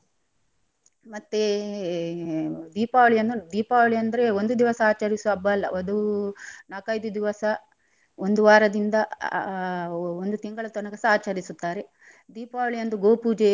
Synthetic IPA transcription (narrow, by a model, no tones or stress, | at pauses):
mɐt̪ːe | d̪iːpaːʋɐɭijɐnd̪ud̪iːpaːʋɐɭiɐnd̪ɐɾe̞ond̪ud̪iʋɐsɐaːt͡ʃɐɾisuɐbːɐlːɐ̰ʔɐd̪unaːkɐjd̪ud̪iʋɐsɐ | ond̪uʋaːɾɐd̪ind̪ɐ | ond̪ut̪iŋɡɐɭɐt̪ɔnɐɡɐsɐaːt͡ʃɐɾisut̪ːaːɾe̞ | d̪iːpaːʋɐɭijɐnd̪uɡoːpuːd͡ʒe